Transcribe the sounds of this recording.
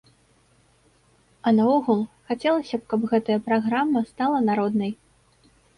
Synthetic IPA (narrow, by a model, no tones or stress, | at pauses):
ɐnaɔɣulˠxat͡sʲɛlˠɐsʲɐp̚kɐpɣɛt̪ɐjɐpɾaɣɾamːɐst̪alˠɐnaɾɔd̪nɐj